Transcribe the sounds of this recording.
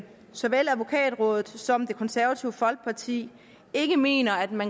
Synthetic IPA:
sɒ̽ʋel̰æðˠʋo̝kʰɛ̰ːd̥ʁɔ̽ːðˠð̞̩ˠsɒ̽md̥e̝kʰɒ̽nsæɐʋæt͡sʰiʊəfɒ̽l̰ɡ̥̚pʰɑ̈t͡sʰḭː | e̝ɡ̥əme̝̰ːnɐæd̥mæn

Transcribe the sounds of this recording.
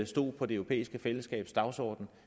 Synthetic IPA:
sd̥o̝̰ːpʰɒ̽d̥e̝øʊopʰḛːisɡ̥əfeləsɡ̥ɛ̰ːb̥sd̥ɑ̈ʊsɒ̰ːd̥n̩

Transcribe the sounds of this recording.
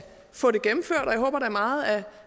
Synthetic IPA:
fɔ̽ːɾ̥e̝ɡ̥emm̩føɐ̰d̥ɒ̽jɑɦɔ̽ːb̥ɐɾ̥ɑ̈æɐmɑ̈ːð̞̩ˠæ

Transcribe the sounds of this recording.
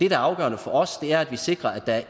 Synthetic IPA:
d̥e̝d̥ææɐɑ̈ʊɡ̥ɶ̰ːɐnəfɒɒ̽sd̥e̝æɐæd̥ʋise̝ɡ̥ʁɐæd̥ææɐ

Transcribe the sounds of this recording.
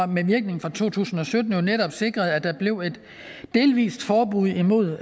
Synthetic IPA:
meʋiɐɡ̥ne̝ŋ̩fʁɑ̈t͡sʰo̝̰ːt͡sʰṵːsn̩ɒ̽sød̥n̩jo̝neɾɒ̽b̥se̝ɡ̥ʁɐð̞̩ˠæd̥æ̈b̥le̝ʊe̝d̥ː | e̝ːlʋḭːsd̥fɒːb̥uð̰ˠimo̝ð̰ˠ

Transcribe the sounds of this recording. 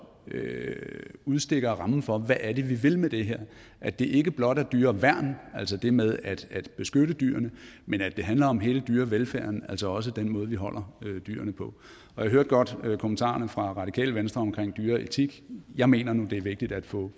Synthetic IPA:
ø | uð̞ˠsd̥e̝ɡ̥ɐʁɑ̈mn̩fɒ̽ʋæʔæɐde̝ʋiʋe̝lmed̥e̝ɦeɐ̰ | ʔæd̥e̝ʔe̝ɡ̥əb̥lɒ̽d̥æd̥yːɐʋæɐ̰næl̰sɒd̥e̝með̞ˠæd̥æd̥b̥e̝sɡ̥øɾəd̥y̰ːɐnəmenæd̥e̝ɦænlɐɒ̽mɦe̝ːləd̥yːɐʋelfæɐnæl̰sɒɒ̽s̬əd̥enmɔ̽ːð̞̩ˠʋiɦɒ̽l̰ʔɐød̥y̰ːɐnəpʰɒ̽ | ɒjaɦøɐ̰d̥̚ɡ̥ɒ̽d̥økʰo̝mən̩t͡sʰɑ̰̈ɐnəfʁɑ̈ʁɑ̈d̥ikʰɛ̰ːləʋensd̥ʁɐɒ̽mkʰʁeŋ̰d̥yːɐet͡sʰiɡ̥jɑ̈ɪme̝̰ːnɐnud̥e̝æɐʋe̝ɡ̥d̥id̥æd̥fɔ̰̽

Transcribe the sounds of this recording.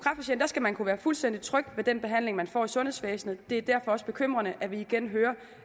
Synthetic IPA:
kʰʁɑ̈fæɕen̩d̥æ̈sɡ̥æmænkʰuʋæːɐfulsd̥end̥i̥t͡sʰʁœɡ̥d̥ʋe̝d̥enb̥e̝ɦæn̰le̝ŋmænfɒ̰ːisɔ̽nhesfɛːsn̩ð̩ˠd̥e̝æɐd̥æɐ̰fɒ̽ɒ̽sb̥e̝kʰøm̰ʁɐnəʔæʋiːɡ̥enɦøːɐ

